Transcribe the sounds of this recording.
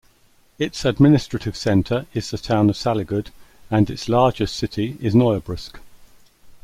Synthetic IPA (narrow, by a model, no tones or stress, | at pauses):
ɪtsəd̚mɪnɪstɹ̥ətʰɪv̥sɛ̃ntʰəɹɪzðətʰãʊ̃nəv̥salɪɡʊdə̃nɪtslɑːd͡ʒɪssɪtʰiɪznɔɪəbɹɪsk